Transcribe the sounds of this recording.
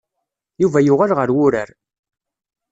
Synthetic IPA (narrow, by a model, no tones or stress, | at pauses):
juvæjʊʁalʁəɾwʊɾəɾ